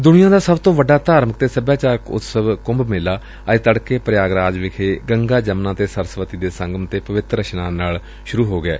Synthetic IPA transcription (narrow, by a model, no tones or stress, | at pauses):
d̪ʊnɪjãːd̪aːsəbt̪õːʋəɖːaːd̪aːɾmək̚t̪eːsəbjaːt͡ʃaːɾkʊ̰t̪səbkʊ̃mbmɪːlaː | ət̪əɽkeːpɾjaːɡɾaːd͡ʒʋɪkʰeːɡəŋɡaːd͡ʒəmnãːt̪eːsəɾsʋət̪iːd̪eːsəŋɡəmt̪eːpəʋɪt̪ɾəʃnãːnaːl | ʃʊɾuːɦoːɡɪḛː